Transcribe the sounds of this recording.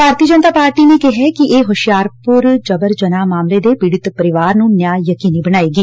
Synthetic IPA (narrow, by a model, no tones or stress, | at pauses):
paːɾt̪iːəd͡ʒənət̪aːpaːɾʈiːneːkɪɦɛːkɪʔeːɦʊʃɪjaːɾpʊɾd͡ʒəbəɾd͡ʒənaːmaːmleːd̪eːpɪɽɪt̪pəɾɪʋaːɾnũːnjaːjəkiːniːbəɽ̃aːeːɡiː